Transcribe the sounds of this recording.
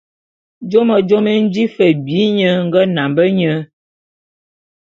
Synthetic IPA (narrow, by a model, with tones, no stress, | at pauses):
d͡ʒo˦mə˨d͡ʒo˦mə˦n̩˦d͡ʒi˦fə˨bi˨˦ɲə˦ŋ̩˦ɡə˦na˨mbə˦ɲə˦